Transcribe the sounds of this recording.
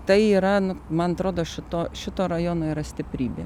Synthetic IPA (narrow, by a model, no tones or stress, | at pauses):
t̪ɐɪiːɾɐnʊmɐnɐt̪ɾoːd̪oːʃʲɪt̪oːʃʲɪt̪oːɾɐjoːnoːiɾɐsʲt̪ʲɪpʲɾʲiːbʲḛː